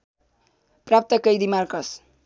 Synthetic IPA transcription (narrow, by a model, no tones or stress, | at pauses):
prap̚t̪ʌkʌjd̪imarkʌs